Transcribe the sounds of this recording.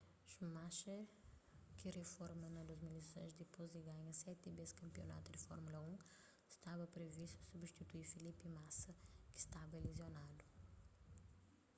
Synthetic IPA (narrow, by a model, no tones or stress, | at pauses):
ʃumaʃe | kɪrefɔɾmɐnɐd̪uzmilisõ̰j̃zd̪ipoziɡaɲɐsɛt̪ibeskɐ̃mpio̰na̰t̪ud̪ifɔ̰ɾmulɐũ̥ | st̪abɐpɾevisusubʃt̪it̪uifilipimasɐkɪ̥st̪avɐelezjonad̪u